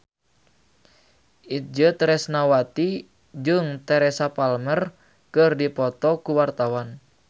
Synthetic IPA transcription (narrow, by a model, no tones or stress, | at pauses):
ʔid͡ʒɨt̪ɾɛsnawat̪i | d͡ʒɨŋt̪ɛɾɛsapalmər | kɨrdipɔt̪ɔkuwart̪awan